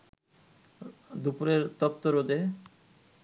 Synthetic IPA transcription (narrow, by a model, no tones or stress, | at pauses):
d̪upuɾeɾt̪ɔt̪ːoɾod̪e